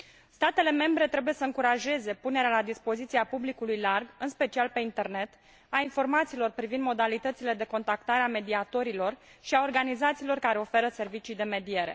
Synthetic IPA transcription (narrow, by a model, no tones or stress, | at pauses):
st̪at̪e̞le̞me̞mbɾe̞t̪ɾe̞buje̞səɨŋkuɾaʒe̞ze̞pune̞ɾealad̪ispo̞zit̪siapublikulujlarɡɨnspe̞t͡ʃialpe̞int̪e̞rne̞t̪ | ainfo̞rmat̪siːlo̞rpɾivind̪mo̞d̪alit̪ət̪sile̞d̪e̞ko̞nt̪akt̪aɾeame̞d̪iat̪o̞ɾilo̞rʃiao̞rɡanizat̪siːlo̞rkaɾe̞o̞fe̞ɾəse̞rvit͡ʃijd̪e̞me̞d̪ie̞ɾe̞̰